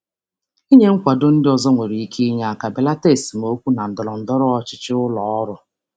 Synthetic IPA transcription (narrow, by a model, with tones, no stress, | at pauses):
i˦ɲe˦ŋ̩˦kʷa˨dʊ˦n̩˦dɪ˦ɔ˨zɔ˦ŋʷe˨ɾi˨i˦kʰi˦ɲa˨˦a˨ka˨be˨la˦te˦˨si˨m˨o˦kʷu˦na˨n̩˨dɔ˨lɔ˨n̩˨dɔ˦ɾɔ˦ɔ˦t͡ʃɪ̥˨t͡ʃɪ˦ʊ˦lɔ˨ɔ˦ɾʊ˨